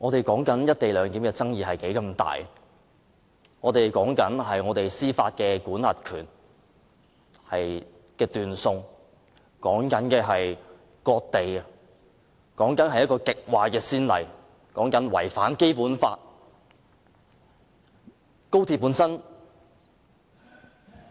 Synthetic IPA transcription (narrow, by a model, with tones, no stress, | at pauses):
ŋɔː˨˧t̪e˨jkɔː˨˥ŋkɐ˨˥njɐ˥t̚t̪e˨jlœː˨˧ŋk̪iː˨˥mkɛː˧t͡sɐ˥ŋjiː˨ɦɐ˨jke˨˥jkɐ˧mt̪a̰ː˨˩j | ŋɔː˨˧t̪e˨jkɔː˨˥ŋkɐ˨˥nɦɐ˨jŋɔː˨˧t̪e˨jsiː˥fa̰ː˧t̚kɛː˧kuː˨˥nhɐ˨t̚kʰyː˨˩n | hɐ˨j | kɛː˧t̪yː˨nsʊ˧ŋ | kɔː˨˥ŋkɐ˨˥nkɛː˧ɦɐ˨j | kɔː˧k̚t̪e˨j | kɔː˨˥ŋkɐ˨˥nhɐ˨jɐ˥t̚kɔː˧kɪ˨k̚waː˨kɛː˧siː˥nlɐ̰˨˩j | kɔː˨˥ŋkɐ˨˥nwɐ̰˨˩jfaː˨˥nke˥jpuː˨˥nfa̰ː˧t̚ | ko˥wt̪ʰi˧˩pːu˨˥nsɐ˥n